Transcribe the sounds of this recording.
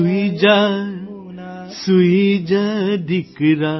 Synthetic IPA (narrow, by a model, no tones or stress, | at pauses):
id͡ʒa | suid͡ʒaɖ̪ikɾa